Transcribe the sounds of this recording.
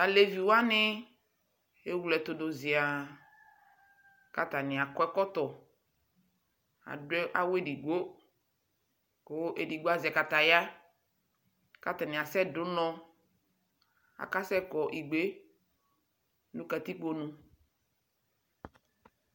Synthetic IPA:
a˨le˨vi˨wa˦nɪ˦ | e˦wu˨lɛ˨t̪ʊ˨do˨zɪ˨a˨ | ka˨t̪a˨nɪ̃˨a˨kɔ˦ɛ˦kɔ˦t̪ɔ˨ | a̰˨dɛ˦ʔa˨wo˦e˦di˨ɡ͡bo˦ | ko˦ʔe˨di˨ɡ͡bo˦a˦zɛ˨ka˨t̪a˨ja˦ | ka˨t̪a˨nɪ̃˨a˨sɛ˦dʊ˦nɔ̃˦ | a̰˨ka˦sɛ˦kɔ˨ʔi˨ɡ͡be˦ | nũ˦ka˨t̪i˦k͡po˨nũ˨

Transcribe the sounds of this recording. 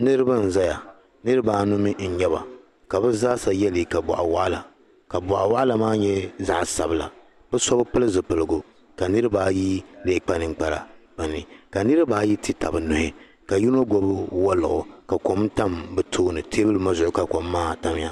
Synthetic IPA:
nɨ˦ɾɨ˦ba˦n̩˨za˦ja˨ | nɨ˦ɾɨ˦baː˦nʊ˦mi˦n̩˨ɲɛ˦βa̰˨ | ka˨bɛ˦za˦sa˨jɛ˦li˨ka˨bɔ̰˨ʔa˨wa˦ʔla˨ | ka˨bɔa˨ʔa˨wa˦ʔla˨maː˦ɲɛ˦za˦ʔsa̰˨bɨ˦la̰˨ | bɛ˦sɔ˦bɨ˦pɨ˦lɨ˦zɨ˨pɨ˨lɨ˨ɡʊ˨ | ka˨nɨ˦ɾɨ˦baː˦ji˦leː˦k͡pa˦nɨ˨ŋ̩˨k͡pa˨ɾa̰˨b̥a˨ni˨ka˨nɨ˦ɾɨ˦baː˦ji˦ti˦ta̰˨bɨ˨nʊ˨hɪ˦ | ka˨ji˦no˦ɡo˦bɨ˦wa˦lʊ̰˨ʔʊ˨ka˨ko˨mta˦mbɨ˨tʰoː˦nɨ˨tʰe˦bɨ˦lɨ˦ma˦zʊ˨ʔʊ˨˦ka˦ko˨mːaː˦˨ta˦m˦ja˦

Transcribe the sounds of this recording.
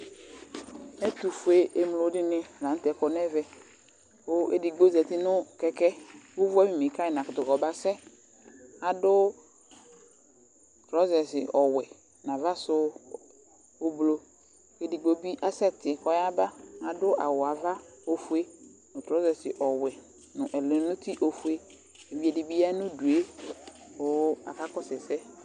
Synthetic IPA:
ɛ˦tu˨fu˨e˦e˨m˨lo˨˦dɪ˦nɪ˦˨lã˨˦n̩˦tɛ˨kɔ˨nɛ˦vɛ˦˨ | o˦e˨di˨ɡ͡bo˦zɛ˨tɪ˦nʊ˦kɛ˦kɛ˦wʊ˦vʊ˦a˦mi˨me˨ka˦ɪ˨nã˨kʊ˨tʊ˨kɔ˨ba˦sɛ˦ | a˨dʊ˦ | tɾɔ˦zɛ˨sɪ˨ʔɔ˨wɛ˨ | nã˨va˦sʊ˦ | ʊ˦blo˦ | ke˨di˨ɡ͡bo˨bi˦ʔa˦sɛ˦tɪ˨kɔ˦ja˦ba˦a˨dʊ˦ʔa˨wʊ˨a˨va˦o˦fu˦e˦nʊ̃˨tɾɔ˦zɛ˨sɪ˨ʔɔ˨wɛ˨ | nʊ̃˨ʔɛ˨lẽ˨˦nʊ̃˦ti˦ʔo˨fu˦e˦ | e˨vi˨˦e˨di˨bi˦ja˦nʊ̃˦du˨e˦ | ʊ˦a̰˨ka˦kɔ˦sɛ˨sɛ˦

